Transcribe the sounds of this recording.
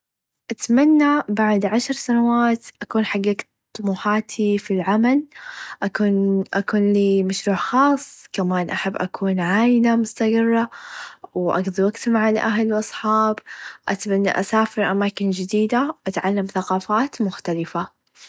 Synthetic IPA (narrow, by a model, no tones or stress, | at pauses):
ʔat̪manːabaʕd̪ʕaʃɾsanawaːt̪ʔakuːnħaɡːak | t̪ˤːʊmuːħaːt̪ʰifilʕamalʔakuːnʔakuːnliːmaʃɾuːʕxɑːsˤːkamaːnʔaħabːʔakʰuːnʕaːjnamʊst̪aɡɨrˤːawʔa̰ɡðˤiwaɡt̪maʕalʔaɦlwʔɑsˤħɑːbʔat̪manːa̰ʔasaːfɪɾʔamaːkɪnd͡ʒɪd̪iːd̪awʔat̪ʕalːamθaqɑːfaːt̪mʊxt̪alɪfa